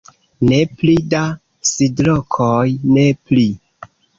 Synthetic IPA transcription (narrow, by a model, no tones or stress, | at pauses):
ne̞plida | sidlokʰojnepli